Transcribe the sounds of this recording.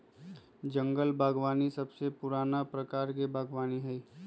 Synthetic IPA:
d͡ʒə̃ŋɡəlbʱaːɡʋaːnisɐbsepʊɾaːnapɾəkaːɾk̬ebʱaːɡʋaːniɦɛi

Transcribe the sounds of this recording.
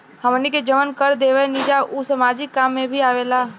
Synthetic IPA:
həmniked͡ʒəʋənkəɾd̪eːʋenid͡ʒausəmaːd͡ʒɪkːaːmːẽbʱiaːʋeːlaː

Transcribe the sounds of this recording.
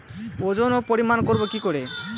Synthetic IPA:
od͡ʑonopoɾimankoɾbokikoɾe

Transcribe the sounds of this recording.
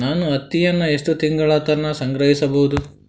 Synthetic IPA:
naːnuɐt̪ːijɐnːɐe̞ʂʈut̪iŋɡɐɭɐːt̪ɐnːɐsɐŋɡɾɐɦisɐbɐɦud̪u

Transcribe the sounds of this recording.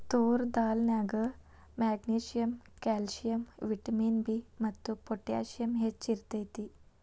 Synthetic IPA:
t̪oɾd̪alnjaɡə | mæɡniɕijəmkɛlɕijəmʋiʈəmiːnbimət̪ːupoʈja̰ɕijəmɦet͡ɕiɾt̪əjt̪iː

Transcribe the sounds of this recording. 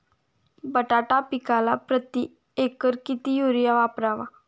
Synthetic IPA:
bəʈaʈapikalapɾət̪i | ekəɾkit̪ijuɾjaʋapɾaʋa

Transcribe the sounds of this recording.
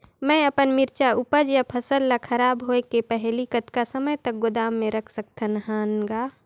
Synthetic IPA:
mɛ̃əpənmɪɾt͡ʃaʊpəd͡ʒjapʰəsəlːakʰəɾaːbɦoekepɛɦlikət̪kasəməjt̪ək̚ɡʊd̪aːmːẽɾəkʰsək̚t̪ʰənɦaːnɡaː

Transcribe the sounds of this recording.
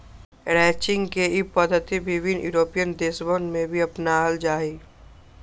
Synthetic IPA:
ɾɛːt͡ʃɪ̃ŋɡkeipəd̪ʱət̪ibɪʋɪnjṵːɾoːpijənd̪eːsbənmẽbʱiɐpnaɦəld͡ʒaːiː

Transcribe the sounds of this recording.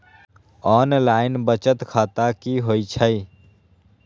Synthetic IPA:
ɔːnlaːɪnbət͡ʃət̪kʰaːt̪akiɦoit͡ʃʰəɪ

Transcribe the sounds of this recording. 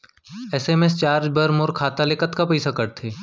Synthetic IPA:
ɛsemest͡ʃaːɾd͡ʒbɐɾmoːɾkʰaːt̪aleːkət̪kapɛːsakɐɾt̪ʰeː

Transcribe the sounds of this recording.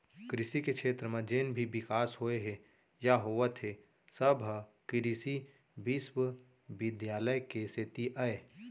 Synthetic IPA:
kɾɪsikekʃʰeːt̪ɾəmẽd͡ʒeːnbʱibɪkaːsɦoeɦɛ | jaɦoːʋət̪ʰɦe | səbʱkɪɾisi | biswə | bɪd̪jaːləjkeset̪iʔəe

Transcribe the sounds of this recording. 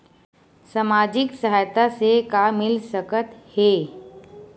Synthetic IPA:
samaːd͡ʒɪksəɦaːjt̪asekamɪlsəkət̪heː

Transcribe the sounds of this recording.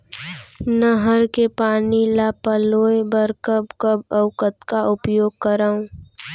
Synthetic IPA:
nəɦəɾkepaːnilapəloːebəɾkəbkəbəʊkət̪kaʔʊpjoːɡ̚kəɾaːũ

